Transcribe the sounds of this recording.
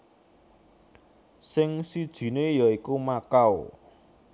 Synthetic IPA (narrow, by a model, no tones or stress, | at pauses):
sɪŋsid̥ʒ̥i̤nejaikumakaw